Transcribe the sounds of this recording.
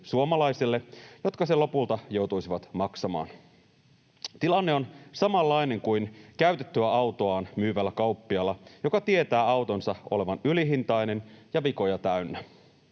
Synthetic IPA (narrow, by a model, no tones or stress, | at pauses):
suomɑlɑjselːe̞jo̞t̪kɑselo̞pult̪ɑjo̞wt̪ujsiʋɑt̪mɑksɑmɑ̰ːn | t̪ilɑnːeo̞nsɑmɑlːɑjne̞ŋkujnkæyɥt̪et̪ːyæɑwt̪o̞ɑːnmyːʋælːækɑwpːiɑlːɑjo̞kɑt̪ie̞t̪æːɑwt̪o̞nsɑʔo̞̰le̞ʋɑnyliɦint̪ɑjne̞njɑʋiko̞jɑt̪æynːæ